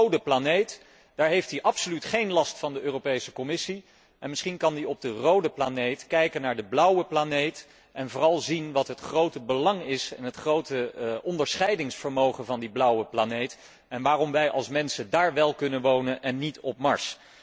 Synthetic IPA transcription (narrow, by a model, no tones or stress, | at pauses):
owdəplanejt | d̥aːɹɦejftdiʔɑpsolytχejnlɑstfɑndəʔøːropejsəkɔmɪsi | ʔɛnmɪsχinkɑndiɔb̚dərowdəplanejtkɛjkənːaːɹdəblʌwəplanejt | ʔɛnvʊːrɑlˠzinʋɑtɦətχrowtəbəlɑŋɪsɛ̰nɦətχrowtəʔɔndəɹsχɛjdɪŋsfəɹmowχənvɑndiblʌwəplanejt | ɛnʋaːrɔmʋɛjʔɑlˠsmɛnsəndaːɹʋɛlˠkɵnənʋownənʔɛnːitɔp̚mɑɹs